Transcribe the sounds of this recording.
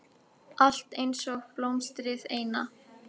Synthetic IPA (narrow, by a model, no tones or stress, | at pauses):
ʔal̥t̪ejnsɔɣplowmst̪ɾɪðeːjna̰